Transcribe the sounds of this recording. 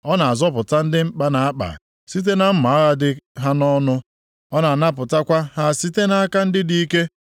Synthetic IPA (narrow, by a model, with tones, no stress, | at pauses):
ɔ˦na˨a˨zɔ˦pʊ˨ta˦n̩˦dɪ˦ŋ͡m̩˦k͡pa˦na˨a˦k͡pa̰˨ | si˦t̬e˦na˦m̩˦ma˨a˦ɣa˦dɪ˦ɦa˦nɔ˦nʊ˦ | ɔ˦na˨na˦pʊ˨ta˦kʷa˦ha˦˨si˦te˦na˦a˦ka˦n̩˦dɪ˦di˦i˦ke˦